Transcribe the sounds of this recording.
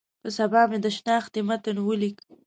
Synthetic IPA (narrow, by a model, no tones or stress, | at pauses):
pəsabɑmed̪əʃnɑxd̪emat̪ənwəlik